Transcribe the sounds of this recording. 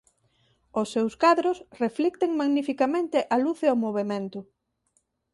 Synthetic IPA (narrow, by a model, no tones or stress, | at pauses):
ʊsːewskaðɾʊsreflik̚t̪eŋmaɣnifikamẽnt̪ɪʔɐluθeomoβ̞emẽnt̪ʊ